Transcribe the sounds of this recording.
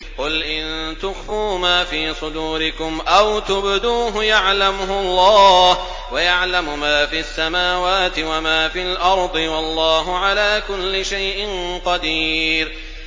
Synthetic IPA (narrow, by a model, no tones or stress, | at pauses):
qʊlʔɪnt̪ʊxuːmaːfiːsˤʊd̪uːɾɪkʊmʔawt̪ʊbd̪uːɦʊjaʕlamʊhʊlˤːɑːh | wajaʕlamʊmaːfiasːamaːwaːt̪ɪwamaːfɪlʔɑɾˤd̪ˤɨwɑlˤːɑːɦʊʕalaːkʊlːɪʃajʔɪnqɑd̪iːɾ